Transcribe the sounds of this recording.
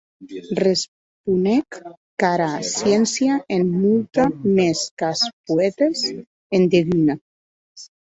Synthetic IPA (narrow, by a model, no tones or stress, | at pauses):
res | punɛkː | aɾasjɛnsjaʔemmult̪ameskaspuɛt̪es | end̪eβina